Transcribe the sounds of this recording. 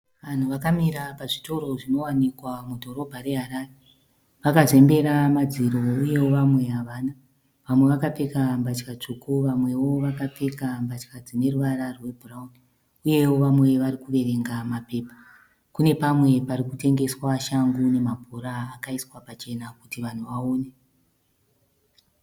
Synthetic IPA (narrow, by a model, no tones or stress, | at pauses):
ʋan̤uʋakamiɾapaʐito̞ɾo̞ʐino̞wanikwamudʱo̞ɾo̞bʱaɾe̞ɦaɾaːre | ʋakaze̞mbe̞ɾamad͡ziɾo̞uje̞wo̞ʋamwe̞ɦaʋaːna | ʋamwe̞ʋakap͡fekambat͡ʃkat͡ʂukuʋamwe̞wo̞ʋakap͡fekambat͡ʃkad͡zine̞ruʋaɾarwe̞bʱurauni | uje̞wo̞ʋamwe̞ʋaɾikuʋe̞ɾe̞ŋɡamape̞ːpḁ | kune̞pamwe̞paɾikute̞ŋɡe̞swaʃaŋɡune̞mabʱoɾaːkaiswapat͡ʃe̞nakutiʋan̤uʋaoːne